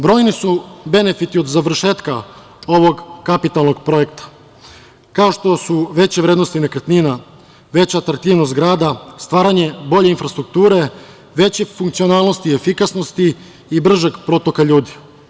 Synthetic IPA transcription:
bɾo̞ːjnisube̞ne̞fit̪iod̪zaʋr̩ʃe̞ːt̪ka | o̞ʋo̞ɡkapit̪alˠno̞ɡpɾo̞je̞kt̪ḁ | kao̞ʃt̪o̞suʋe̞t͡ɕeʋɾed̪no̞st̪inekɾt̪nina | ʋe̞t͡ɕat̪ɾt̪iːʋnost̪ɡɾaːd̪ast̪ʋaːɾaɲe̞bo̞ʎeinfɾast̪ɾuk̚t̪uːɾe̞ | ʋe̞t͡ɕefuŋkt̪sionaːlˠno̞st̪iefikasnost̪iː | br̩ʒeɡpɾo̞t̪o̞kaʎuːd̪i̥

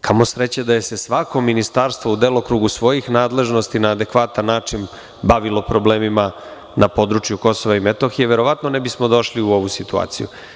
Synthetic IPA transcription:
kʰamo̞sɾet͡ɕed̪aje̞se̞sʋako̞minist̪aːɾst̪ʋoud̪elˠokɾuɡusʋo̞jixnaːd̪le̞ʒno̞st̪inaːd̪e̞kʋat̪anːaːt͡ʂin | baʋilˠo̞pɾo̞bleːmima | napo̞d̪ɾut͡ʃjuko̞so̞ʋaimet̪o̞xijeʋe̞ɾo̞ʋat̪no̞nebismo̞d̪o̞ʃliuo̞ʋusit̪ua̰ːt̪sḭjṵ

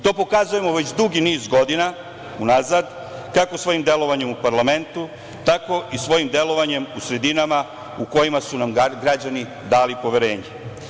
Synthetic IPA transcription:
t̪o̞ːpo̞kazuje̞mo̞ʋe̞t͡ɕd̪uɡiniːzɡo̞d̪ina | unazad̪ | kakosʋo̞jimd̪je̞lo̞ʋaɲemupaɾlˠame̞nt̪u | t̪ako̞isʋo̞jimd̪e̞lo̞ʋaɲe̞musɾe̞d̪inama | uko̞jimasunamɡɾad͡ʑani | d̪aːlipo̞ʋe̞ɾe̞ːɲe

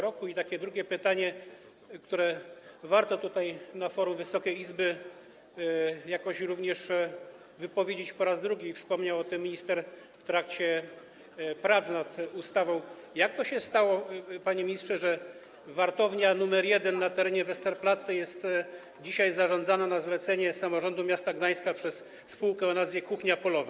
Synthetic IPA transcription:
ɾɔkuit̪akʲɛd̪ɾuɡʲɛpɘt̪aɲɛ | kt̪uɾɛvaɾt̪ɔt̪ut̪ajnafɔɾumvɘsɔkʲɛjizbɘ | jakɔɕɾuvɲɛʂ | vɘpɔvʲjed͡ʑet͡ɕpɔɾazd̪ɾuɡʲifspɔmɲawɔt̪ɛmʲːiɲist̪ɛɾ | ft̪ɾak̚t͡ɕɛ | pɾat̪snat̪ust̪avɔ̃w̃ | jak̚t̪ɔɕɛst̪awɔpaɲɛmʲɲist̪ʂɛʐɛ | vaɾt̪ɔvɲanumɛɾjɛd̪ɛnːat̪ɛɾɛɲɛvɛst̪ɛɾplat̪ːɛjɛst̪ | d͡ʑiɕajzaʐɔnd̪zananazlɛt̪sɛɲɛsamɔʐɔnd̪umʲjast̪aɡd̪aj̃skapʂɛs | spuwkɛɔnazvjɛkuxɲapɔlɔva

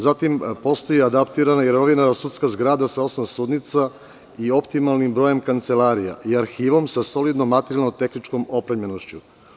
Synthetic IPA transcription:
zat̪impo̞st̪ojiad̪apt̪iɾanajeɾnoʋinaɾasut̪skazɡɾaːd̪asao̞smamsuːd̪nit̪sa | io̞pt̪imalnimbɾo̞je̞mkant̪selaːɾija̰ʔiaɾxiːʋo̞msaso̞lid̪nomːat̪eɾijalnot̪e̞xnit͡ʃko̞mo̞pɾavɲenoʃt͡ɕu

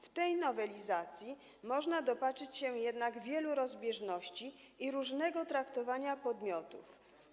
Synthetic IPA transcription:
ft̪ɛjnɔvɛlʲizat̪sʲji | mɔʐnad̪ɔpat͡ʂɘt͡ɕɕɛjɛd̪naɡvʲjɛluɾɔzbʲjɛʐnɔɕt͡ɕi | iɾuʐnɛɡɔt̪ɾakt̪ɔvaɲapɔd̪mʲjɔt̪uf

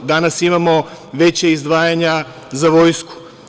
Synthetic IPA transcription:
d̪anasimamoʋet͡ɕaizd̪ʋaːjaɲa | zaʋojsku̥

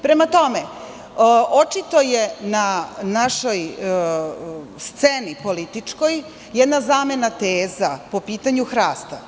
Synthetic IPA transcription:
pɾe̞mat̪o̞me | ʔot͡ʃit̪o̞jenanaʃo̞j | st̪senipo̞lit̪it͡ʂko̞j | jɛd̪nazaːme̞nat̪eːzapo̞piːt̪aɲuxɾaːst̪a

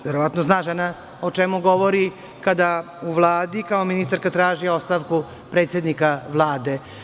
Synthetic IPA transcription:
ʋeɾoʋat̪nosnaːʒana | ot͡ʃemuɡo̞ʋoɾi | kad̪a | uʋlˠaːd̪ikao̞minist̪aɾkat̪ɾaːʒio̞st̪aʋku | pɾe̞ːt̪sje̞d̪nikaʋlˠaːd̪e̞

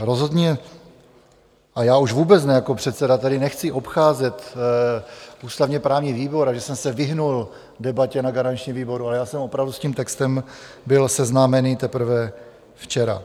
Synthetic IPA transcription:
ɾo̞zɦo̞d̪ɲɛ | ʔajaːuʒvuːbɛt͡snɛjako̞pr̥ɛt̪sɛdat̪adɪnɛxt͡sɪʔo̞pxaːzɛt̪ | uːst̪avɲɛpɾaːvɲiviːbo̞ɾaʒɛsɛmsɛvɪɦnul | dɛbacɛnaɡaɾant͡ʃɲimviːbo̞ɾualɛjaːsɛmo̞pɾavdusciːmt̪ɛkst̪ɛmbɪlsɛznaːmɛnit̪ɛpɾ̩vɛ | ft͡ʃɛɾa̰

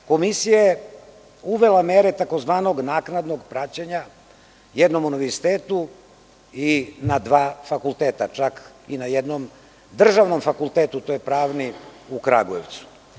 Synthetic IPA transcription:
ko̞misijaje | uʋe̞lameɾet̪ako̞zʋaːno̞ɡnaːknad̪no̞ɡpɾat͡ɕeɲa | jed̪no̞muniʋeɾsi̥t̪eːt̪u | inad̪ʋaːfakulˠt̪eːt̪at͡ʃak | inajed̪nom | d̪r̩ʒaʋno̞mfakulˠt̪eːt̪ut̪ojepɾaːʋniukɾa̰ɡoeʋt̪su̥

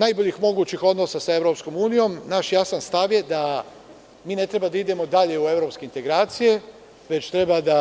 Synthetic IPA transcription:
najboʎixmo̞ɡuːt͡ʃixo̞d̪nosasae̞ʋɾo̞psko̞muːnijo̞mnaːʃjasanst̪aʋje̞d̪a | miːne̞t̪ɾebad̪aid̪e̞mo̞d̪aʎe̞ue̞ʋɾo̞pskeint̪e̞ɡɾaːt̪sije̞ | ʋe̞t͡ʃt̪ɾe̞bad̪a

